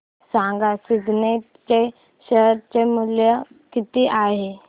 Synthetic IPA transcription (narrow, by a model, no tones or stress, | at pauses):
sãŋɡasiɡne | t͡ɕe | ɕəɦɾt͡ɕemuljə | kit̪iʔaɦe